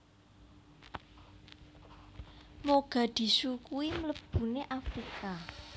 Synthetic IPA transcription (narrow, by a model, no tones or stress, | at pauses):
moɡ̥a̤d̪̥i̤sukuimələb̥ṳneʔafɾika